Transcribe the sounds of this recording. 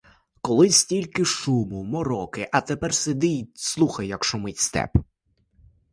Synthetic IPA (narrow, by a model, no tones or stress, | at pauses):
kɔlˠɪsʲtʲilʲkɪʃumʊmɔɾɔkɪʔɐt̪epɛrsed̪ɪjʲslˠuxɐjːɐkʃʊmɪtʲst̪ɛ̰p